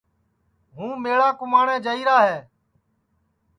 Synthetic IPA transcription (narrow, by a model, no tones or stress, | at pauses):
ɦũːmeːɭaːkʊmaːɳɛ̃ːd͡ʒəiːɾaːɦeː